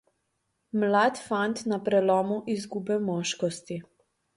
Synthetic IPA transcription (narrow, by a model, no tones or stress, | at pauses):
mlat̪fant̪napɾɛlɔːmuʔizɡubɛmɔːʃkɔst̪i